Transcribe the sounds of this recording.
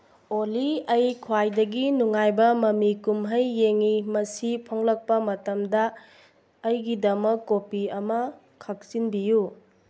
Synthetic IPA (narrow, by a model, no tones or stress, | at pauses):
oliɐjkʰwajdɐɡinuŋajbɐmɐmikumɦɐjːeŋimɐsipʰoŋlɐk̚pɐmɐtɐmdɐː | jɡidɐmɐkːopiɐmɐ | kʰɐk̚sinbiju